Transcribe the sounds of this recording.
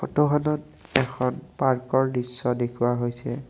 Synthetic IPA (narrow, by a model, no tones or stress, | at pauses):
ɔtɔɦɔnɔt | ɛkʰɔnpaɹkɔɹdisːɔdekʰuwaɦojsɛ